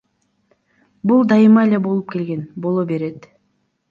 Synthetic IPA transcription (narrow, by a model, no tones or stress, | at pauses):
bulˠd̪ɑjɯmɑelʲe̞bo̞lˠup̚ke̞lɡe̞nbo̞lˠobe̞ɾe̞t̪